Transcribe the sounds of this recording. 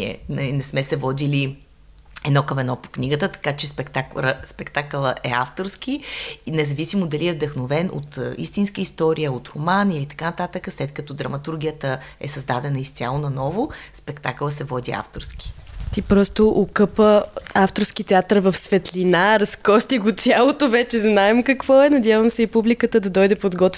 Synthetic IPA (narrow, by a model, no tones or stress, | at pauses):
ɛ̰nɐlinɛsmɛsɛvɔd̪ili | ɛd̪nɔkəmɛd̪ɔpo̥kniɡət̪ət̪ɐ̥kat͡ʃɛspɛkt̪akəspɛkt̪aklˠəʔɛa̰ft̪oɾsk̟ʲinɛzɐvisimod̪ɐliɛvd̪ɐxnovɛnʔo̰t̪ːḭst̪inskəist̪ɔɾijəot̪ɾomanilit̪ɐ̥kanɐt̪at̪əkəslɛt̪̚kɐt̪ɔd̪ɾɐmɐt̪uɾɡ̟ʲijət̪əɛ̰sɐzd̪ad̪ɛnəist̪ʲa̰lˠonɐnɔvospɛkt̪aklˠəsɛvɔd̪ia̰ft̪oɾskʲi̥t̪ipɾɔst̪oʔokɤpəaft̪oɾsk̟it̪ɛat̪əɾvɐfsvɛt̪linaɾɐskɔst̪iɡot̪sʲalˠot̪ovɛt͡ʃɛznaɛmkɐkvɔɛnɐd̪ʲjavɐmsɛipublikət̪əd̪ɐd̪ɔjd̪ɛpod̪ɡɔt̪